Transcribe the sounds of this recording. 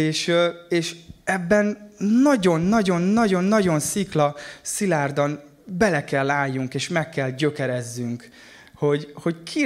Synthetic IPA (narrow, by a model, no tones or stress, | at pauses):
eːʃeːʃɛbːɛnnɒɟo̞nːɒɟo̞nːɒɟo̞nːɒɟo̞nsiklɒsilaːrd̪ɒn | bɛlɛkɛlːaːjːuŋkeːʃmɛkːɛlɟøkɛɾɛzːyŋk | ho̞ɟho̞ckʰi